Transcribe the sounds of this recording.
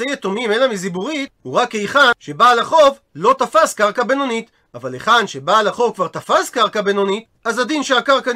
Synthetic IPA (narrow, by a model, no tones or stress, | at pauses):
ejet̪o̞mimelamizibuʁit̪huʁakːejχanʃe̞balaχo̞v | lo̞t̪afaskaʁkabe̞no̞nit̪ | avaleχanʃe̞balaχo̞vkvaʁt̪afaskaʁkabeno̞nit̪ | azad̪inʃeakaʁka